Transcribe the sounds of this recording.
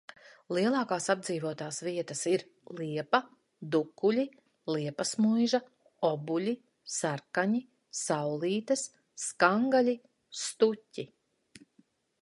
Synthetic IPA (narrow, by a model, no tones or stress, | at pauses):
lˠiɛlˠɑːkaːsab̚d̪ziːvuɔt̪aːsviɛt̪ɐsiɾ | lˠiɛpɐ | d̪ukːulʲi | lˠiɛpɐsmujʒɐ | ɔbulʲi | saɾkaɲi | sawlˠiːt̪ɐsː | kaŋɡalʲi | st̪utʲːi